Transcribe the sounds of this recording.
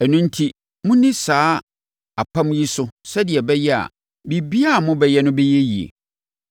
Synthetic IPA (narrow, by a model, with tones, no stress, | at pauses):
ɛ˨nũ˦n˦tʰi˦ | mʊ̃˦nĩ˦saː˨˦ | a˨k͡pʰã˦mji˦sʊ˦sɛ˦dɪ˨ɛ˨bɛ˦jɛ˦a̰˨ | bi˨bi˦a˦˨mʊ̃˦bɛ˦jɛ˦nʊ̃˦be˦je˦jḭ˨ḛ˨